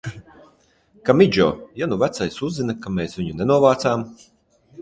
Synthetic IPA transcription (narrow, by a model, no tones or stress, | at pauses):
kamid͡ʒɔ̰ːjanuvæt̪sajsuzːinakameːsvʲiɲunɛnuɔvaːt̪saːm